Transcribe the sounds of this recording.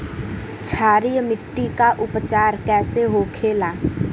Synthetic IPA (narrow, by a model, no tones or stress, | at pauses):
t͡ʃʰaːɾijmɪʈːikaʔʊpt͡ʃaːɾkɛːseɦoːkʰeːlaː